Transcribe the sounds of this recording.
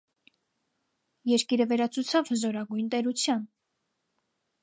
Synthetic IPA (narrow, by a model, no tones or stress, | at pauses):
jɛɾkiɾəvɛɾɑt͡sʰut͡sʰɑvhəzɔɾɑɡujnt̪ɛɾut͡sʰjɑn